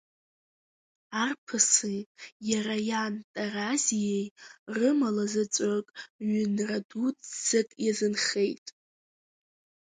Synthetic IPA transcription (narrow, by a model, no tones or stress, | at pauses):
arpʰɨsijaɾajantʼarazijejrɨmalazɨt͡sʼakʼɥʏnradut͡sz̥ɨkʼjazɨnχe̞jtʼ